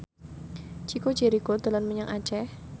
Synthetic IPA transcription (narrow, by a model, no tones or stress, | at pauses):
t͡ʃiko̥d͡ʒeɾikod̪ə̤lanməɲəŋʔḁt͡ʃɛh